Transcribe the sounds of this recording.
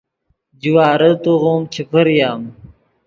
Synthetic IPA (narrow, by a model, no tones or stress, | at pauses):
d͡ʑiwaːɾɐt̪oɣoːmt͡ɕʰɐpʰɐɾjaːm